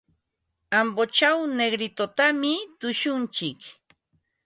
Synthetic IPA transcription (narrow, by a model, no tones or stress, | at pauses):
ambot͡ʃawneɡɾɪt̪ot̪amɪt̪ʊʃʊnt͡ʃɪk